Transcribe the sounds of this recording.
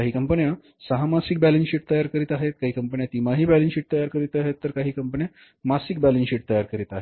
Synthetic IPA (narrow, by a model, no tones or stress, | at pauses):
aɦiːkəmpənja | səɦamasik̚bælensiːʈ̚t̪əjaɾkəɾiːt̪aɦet̪̚kaɦiːkəmpəɳjat̪imaɦiːbælensiːʈ̚t̪əjaɾkəɾiːt̪aɦet̪ːəɾkaɦiːkəmpəɳja | masik̚bælenɕiːʈ̚t̪əjaɾkəɾiːt̪aɦe